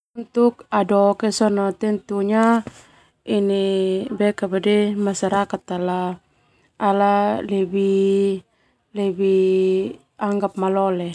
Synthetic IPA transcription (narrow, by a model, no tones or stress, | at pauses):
unt̪ukadɔkɛsɔnɔt̪ɛnt̪uɲa | inibɛkabadɛmasaɾakat̪alaː | lalɛbi | lɛbi | aŋɡap̚malɔlɛ